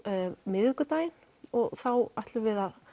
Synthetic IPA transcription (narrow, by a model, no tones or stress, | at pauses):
mɪðʏkʏt̪aːjɪn | ɔɣθawaht̪lʏvɪðað